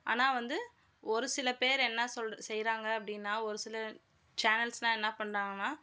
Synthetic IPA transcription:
a̰ːnaːʋɐnd̪ɯ | ɔɾɯsɪlɐpeːɾɛnːɐsɔlsɛjɾaːŋɡɐɐp̬ːɐɽɪnːaːɔɾɯsɪlɐ | t͡ʃaːnɐlsnãːɛnːɐpɐɳɾaːŋɡɐnːaː

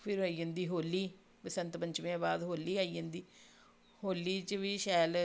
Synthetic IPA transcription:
pʰɪɾɦoːiːɦə̃ːnd̪iːɦoːlːiː | pəsə̃nt̪pəɲt͡ʃmẽaːbaːd̪ɦoːlːiːaːiːə̃ːnd̪iː | hoːlːiːt͡ʃʋiːʃɛːl

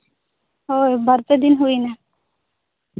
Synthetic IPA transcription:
ɦojbaɾt̪ed̪inɦujna

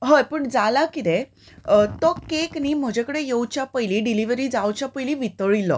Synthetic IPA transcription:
ɦəjpuːɳd͡zalakit̪e | t̪ɔkekniːm̤əd͡ʑekəɽejewt͡ɕjapəjliɖiliʋɾiːd͡zawt͡ɕjapəjliʋit̪əɭilɔ̰

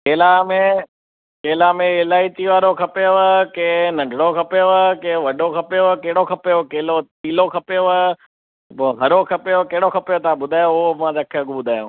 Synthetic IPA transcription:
keːlamẽ | keːlamẽɪlaːit̪iʋaːɾokʰɐpeoʋəkẽnɐ̃ɳɖʱɽokʰɐpejoʋkẽʋɐɖokʰɐpejoʋkeɦɪɽokʰɐpejokeːlot̪iːlokʰɐpeoʋə | ɦɐɾokʰɐpejokeɦɪɽokʰɐpejot̪ɐãbʊd̪ʱaːjoomãd͡ʑɐkʰeɐɡubʊd̪ʱaːjṵ̃ː

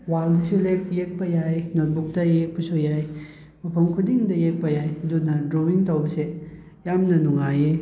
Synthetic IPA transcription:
waldisulek̚jek̚pɐjajnot̚buk̚tɐjek̚pɐsujaj | mɐpʰɐmkʰudiŋdɐjek̚pɐjajdunɐdɾowiŋtɐwbɐse | jamnɐnuŋaje

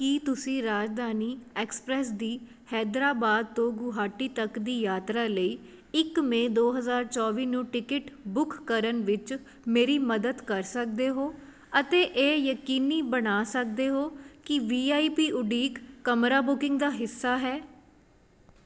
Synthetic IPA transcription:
kiːt̪ʊsĩːɾaːd͡ʒd̪aːniːɛːkspɾɛːsd̪iː | hɛːd̪ɾaːbaːd̪̚t̪õːɡʊɦaːʈiːt̪əkd̪iːjaːt̪ɾaːləiː | ɪkmẽːd̪oːɦəzaːɾt͡ʃɔːʋiːnũːʈɪkɪʈbʊkːəɾənʋɪt͡ʃ | meːɾiːməd̪əd̪kəɾsək̚d̪eːɦoː | ət̪eːʔeːjəkiːniːbəɽaːsək̚d̪eːɦoːkɪʋiːaːiːpiːʔʊɖiːkːəmɾaːbʊkɪ̃ŋɡd̪aːɦɪsːaːɦɛː

